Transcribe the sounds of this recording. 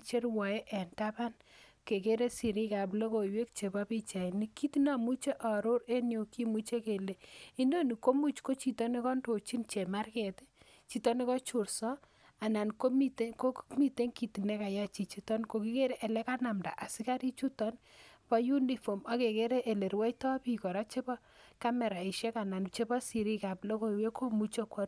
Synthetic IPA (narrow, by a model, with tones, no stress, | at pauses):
t͡ʃe˦rwɔ˨e˦ʔɛ˨nta˦pa˦n | ke˨ke˦ɾe˦si˨ɾi˦ka˨b̬lo˦ko˨jwe˦k̚t͡ʃe˨ba˦pi˦t͡ʃa˨i˨ni˦ki˦ti˦na˦mu˦t͡ʃe˦ʔɔ˨ɾo˦ɾe˦njo˨ki˦mu˦t͡ʃe˦ke˨le˨i˦ndo˦ni˨ko˦mu˦t͡ʃko˦t͡ʃi˨tɔ˦ni˦kɔ˦nto˨t͡ʃi˦nt͡ʃe˨ma˦rkɛ˨te̥˦ | t͡ʃi˨tɔ˦ne˦kɔ˦t͡ʃu˨ɾsɔ˦ | a˨na˨nko˦mi˨tko˦mi˦te˦ŋki˨ti˨nɛ˦ka˨ja˦t͡ʃi˨t͡ʃi˦tɔ˦nko˨ki˦ke˦ɾe˦ʔe˨le˦ka˦na˨mda̰˨ʔa˨si˦ka˦ɾi˦t͡ʃu˦tɔ˦npɔ˦ju˦ni˨fo˨mɔ˦ke˨ke˦ɾe˦ʔe˨le˨ɾwɛ˦itɔ˦pi˦kɔ˨ɾɔ˦t͡ʃe˦bɔ˦ | ka˦mɛ˨ɾa˨i˨ʃɛ˦ka˨na˨nt͡ʃe˦bɔ˦si˨ɾi˦ka˨plo˦ko˦˨we˦ko˦mu˦t͡ʃe˦kɔ˦ɾ